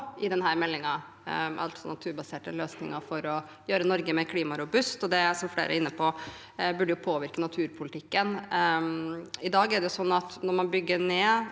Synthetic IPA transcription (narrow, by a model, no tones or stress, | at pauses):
ɪd̪ɛnɦæːɾmɛlːɪŋɑ | ʔɑ̰lt̪sɔnɑt̪ʰʉːɾbɑseːʈəløːsnɪ̰ŋəfɔɾɔ | jøːɾənɔɾɡəmɛɾkʰliːmɑɾʊbʉst̪ɔd̪ɛsɔmflḛːɾʔə̰ɾɪnːəpʰɔ | bʉɖəjʊpʰoːʋɪɾkənɑt̪ʰʉːɾpʰʊlɪt̪ʰɪkːən | ɪd̪ɑːɡæɖɛjʊsɔnːɑt̪nɔɾmɑnbʏɡːəneː